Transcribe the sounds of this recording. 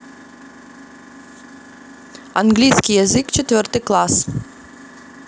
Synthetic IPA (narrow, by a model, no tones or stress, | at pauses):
anɡlʲijskʲijazɨkt͡ʃɛt̪vərt̪ɨklˠas